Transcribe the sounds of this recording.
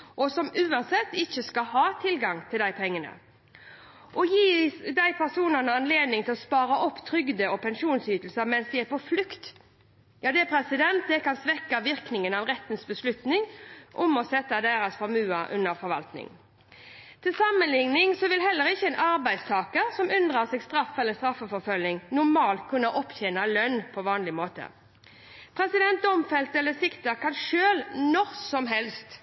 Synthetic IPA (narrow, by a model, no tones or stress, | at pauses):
ʔɔsɔmʉːɑnsɛt̪ːɪçːəskɑhɑːt̪ʰɪlɡɑŋt̪ʰɪld̪æɪpʰɛŋːənə̰ | ʔɔjiːd̪æɪpʰæʁsuːnənəɑnleːd̪nɪŋt̪ʰɪlɔspɑːɾɑʔɔpːt̪ʰɾʏɡd̪əɔpʰɛnʃuːnsyːt̪l̩səɾmɛnsd̪ɪæpɔflʉkt̪ | jɑːd̪ɛpʰɾɛsɪd̪ɛnt̪̚d̪ɛkɑnsʋɛkːɑʋɪʁknɪŋənɑʋʁɛt̪ːən̩sbəslʉt̪nɪŋʔɔmɔsɛt̪ːɑd̪æːɾɑsfɔɾmʉːɑʔʉnːəɾfɔɾʋɑ̰lt̪nɪ̰ŋ | t̪ʰɪlsɑmːənlɪŋnɪŋsɔʋɪlɦɛlːəɾɪçːəɛnʔɑɾbæɪst̪ʰɑːkəɾsɔmʉnd̪ʁɑʁsɛɡst̪ɾɑfɛlːəst̪ʁɑfːəfɔɾfœlnɪŋnʊɾmɑːlt̪̚kʰʉnːəʔɔpçɛnɑlœnːpʰɔʋɑːnlɪmoːt̪ə̰ | pʰɾɛsɪd̪ɛnt̪d̪ɔmfɛlt̪əɛlːəsɪkt̪əkʰɑnʂøːlnɔʁsɔmɦɛlst̪